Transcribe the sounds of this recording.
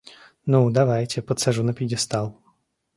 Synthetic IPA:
nud̪avajtʲɛpət̪saʐunɐpʲidʲɛst̪alˠ

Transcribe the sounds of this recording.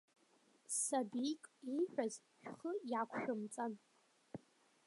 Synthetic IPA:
sabikʼiħᶣʷaz | ʃᶣʷχəjakʷʰʃᶣʊmt͡sʼan

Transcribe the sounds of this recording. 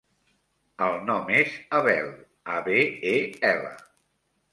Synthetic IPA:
əlˠnɔmezəβɛl | aβeeɛlə̰

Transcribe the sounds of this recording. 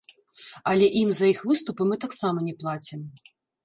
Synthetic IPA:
ɐlʲɛʔimzɐjixvɨst̪upɨmɨt̪aksamɐnʲɛplˠat͡sʲim

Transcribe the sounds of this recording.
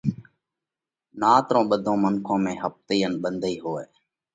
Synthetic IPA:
naːt̪ɾõːɓəd̪ʱõːmənkʰõːmẽːɦəp̚t̪iːənɓənd̪ʱəiːɦoːeː

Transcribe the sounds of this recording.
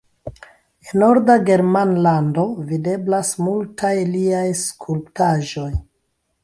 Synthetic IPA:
enːoɾdaɡe̞ɾmanlando̞vide̞blasmultʰajliajskʰulptaʒo̞j

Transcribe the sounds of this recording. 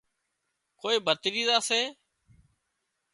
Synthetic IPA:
koːiːbʱət̪ɾiːzaːseː

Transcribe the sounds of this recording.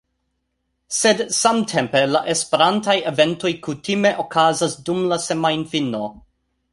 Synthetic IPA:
se̞dsamtʰe̞mpe̞laʔe̞spe̞ɾantajeve̞nto̞jkutime̞ʔokʰazasdumlasemajnfino

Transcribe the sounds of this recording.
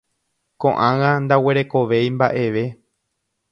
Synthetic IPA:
kõʔãŋãnd̪awe̞ɾeko̞ʋe̞jmbaʔe̞ʋe̞

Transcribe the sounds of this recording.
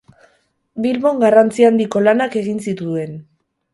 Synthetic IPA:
bilβo̞ŋɡarant͡siand̪iko̞lanake̞ɣinsit̪ue̞n

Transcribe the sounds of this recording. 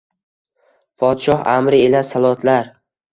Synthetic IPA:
pʰɒd̪ʃɒha̰mɾɪelasalˠɒt̪ʰlaɾ

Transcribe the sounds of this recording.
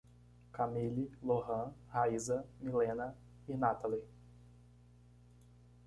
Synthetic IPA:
kamililohɐ̃haizɐmilẽnɐ | inat̪ali

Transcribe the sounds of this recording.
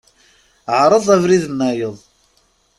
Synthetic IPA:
ʕɾˤəðˤævɾiðənːæjəðˤ

